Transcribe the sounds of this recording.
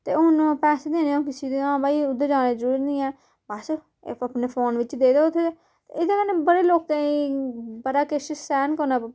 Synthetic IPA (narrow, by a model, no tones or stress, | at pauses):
t̪eːʊnpɛːseːd̪eːneːõːkɪsiːd̪eːãːbaːiːʊd̪ːəd͡ʒaːneːzəɾuːɾnĩːɛː | bəs | apneːpʰoːnʋɪt͡ʃd̪eːd̪eːʊt̪ʰːe | t̪ḛɪd̪eːkəneːbəɽeːloːkːãːiːbəɾaːkeʃəsɛːnkəɾnaː